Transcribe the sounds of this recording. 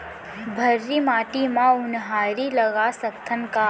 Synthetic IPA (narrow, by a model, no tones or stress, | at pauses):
bʱəɾːimaːʈimãʊnɦaːɾilɐɡasək̚t̪ʰənka